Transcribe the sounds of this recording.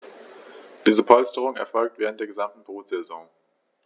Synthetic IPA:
d̥iːzəpʰɔlstəʁ̞ʊŋɛɐfɔlk̚tv̥eːʁ̞əntd̥eːɐɡəzamtn̩b̥ʁuːtz̥ɛzɔ̃ŋ

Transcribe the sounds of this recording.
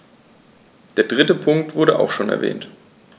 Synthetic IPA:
d̥eːɐdʁɪtəpʰʊŋk̚tv̥ʊɐɾəʔa̰ʊxʃoːnɛɐvɛ̰ːnt

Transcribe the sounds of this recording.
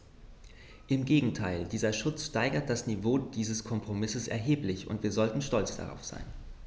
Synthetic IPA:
ʔɪmɡeːɡŋ̩tʰaɪldiːzɐʃʊt͡sʃtaɪɡɐt̚d̥asnivoːd̥iːzəskʰɔmpʁ̥omɪsəsɛ̰ɐɦeːplɪçʊ̰ntv̥iːɐzɔltn̩ʃtɔlt͡sd̥a̰ʁa̰ʊfz̥a̰ɪn

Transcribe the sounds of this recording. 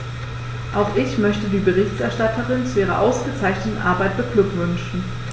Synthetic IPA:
ʔaʊxʔɪçmœçtədiːbəʁɪçtʔɛɐʃtatʰəʁɪnt͡suʔiːʁɐʔaʊsɡ̥ət͡saɪçnətn̩ʔaɐbaɪt̚b̥əklʏkv̥ʏnʃn̩

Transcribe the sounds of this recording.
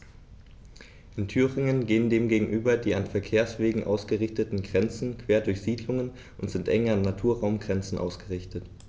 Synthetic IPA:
ʔɪntʰyːʁɪŋənɡeːəndeːmɡeːɡŋ̩ʔyːbɐdiːanfɛɐkʰeːɐsv̥eːɡŋ̩ʔa̰ʊsɡ̥əʁɪçtətn̩ɡʁɛnt͡sn̩kʰv̥eːɐdʊɐçz̥iːdlʊŋən | ʔʊntz̥ɪntʔɛŋɐnatʰuːɐʁaʊmɡʁɛnt͡sn̩ʔa̰ʊsɡ̥əʁɪçtət

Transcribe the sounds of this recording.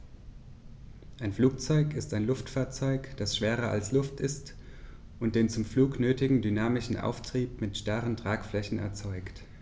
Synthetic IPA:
ʔaɪnfluːkt͡sɔʏkɪstaɪnlʊftfaːɐt͡sɔʏkd̥asʃv̥eːʁɐʔa̰lslʊftɪst | ʔʊnt̚d̥eːnt͡sʊmfluːknøːtɪɡŋ̩dynaːmɪʃn̩ʔa̰ʊftʁ̥iːp̚mɪtʃtaʁəntʁ̥aːkflɛçn̩ɛ̰ɐt͡sɔʏkt

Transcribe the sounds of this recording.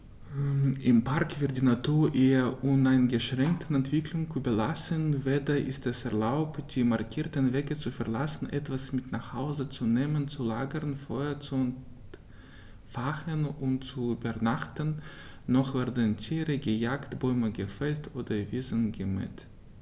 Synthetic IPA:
ʔɪmpʰaʁkv̥ɪɐt̚d̥iːnatʰuːɐʔiɐʔʊnaɪnɡəʃʁ̥ɛŋk̚tʰən̩ɛntv̥ɪklʊŋkubəlasənveːdɐʔɪstɛsɛɐlaʊptd̥iːmaɐkʰiːɐtənveːɡət͡sufɛɐlasn̩ʔɛ̰tv̥asmɪtnaχhaʊzət͡suneːmənt͡sulaːɡəʁənfɔʏɐt͡sun | faχənʊnt̚t͡subənaχtənːɔχv̥ɛɐdəntʰiːʁəɡəjaːktb̥ɔʏməɡəfɛltʰʔoːdɐviːzənɡəmɛ̰t

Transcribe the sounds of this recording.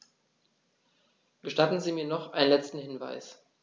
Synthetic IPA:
ɡ̥əʃtatn̩ziːmiːɐnɔχʔa̰ɪnənlɛt͡stn̩hɪnva̰ɪs

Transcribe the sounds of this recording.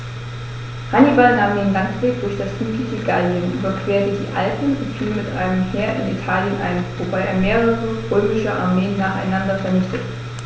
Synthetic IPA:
hanibalnaːmdeːnlantv̥eːk̚d̥ʊɐçd̥asfyːtʰlɪçəɡaljənbɐkʰv̥eːɐtədḭːʔa̰lpn̩ʊntfiːlmɪtʔa̰ɪnəmheːɐʔɪ̰nḭtʰaːljənʔa̰ɪnvobaɪʔḛːɐmeːʁəʁəʁøːmɪʃəʔa̰ɐmeːənːaːχa̰ɪnandɐfɛɐnɪçtət

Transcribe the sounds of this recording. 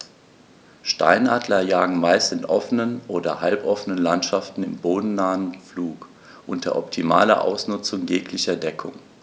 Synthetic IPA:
ʃta̰ɪnʔaːdlɐjaːɡŋ̩maɪstɪnʔɔfənənʔoːdɐ̰halpʔɔfənənlantʃaftn̩ɪ̰mboːdn̩naːnfluːk | ʔʊntd̥ɐ̰ʔɔptʰimaːlɐ̰ʔa̰ʊsnʊt͡sʊŋjeːklɪçɐdɛkʰʊ̰ŋ

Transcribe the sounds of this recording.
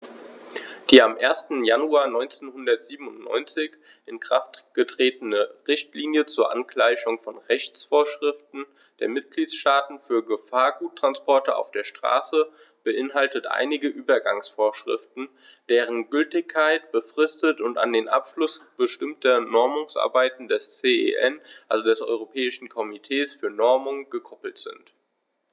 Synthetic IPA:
d̥iːamʔeːɐstn̩januaːɐnɔʏnt͡seːnhʊndɐtz̥iːbm̩ʊntnɔ̰ʏnt͡sɪç | ʔɪnkʁ̥aftɡ̥ətʁ̥eːtənəʁɪçtliːnjət͡suːɐʔankl̥aɪçʊŋfɔnʁɛçt͡sfoːɐʃʁ̥ɪftn̩ | d̥eːɐmɪt̚ɡ̥liːtsʃtaːtn̩fyːɐɡəfaːɐɡuːtːʁ̥anspɔɐtəa̰ʊfd̥eːɐʃtʁ̥a̰ːsə | b̥əʔɪnɦaltətʔa̰ɪnɪɡəʔyːbɐɡaŋsfoːɐʃʁ̥ɪ̰ftn̩ | d̥eːʁənɡʏltɪçkʰːaɪtb̥əfʁ̥ɪstətʊnta̰ndeːnʔa̰pʃlʊsb̥əʃtɪmtʰɐnɔɐmʊŋsʔa̰ɐbaɪtn̩dɛst͡seːḛʔɛnʔalzodɛsʔɔ̰ʏʁopʰɛːɪʃn̩kʰɔmitʰeːsfyːɐnɔɐmʊŋɡəkʰɔpl̩tz̥ɪ̰nt

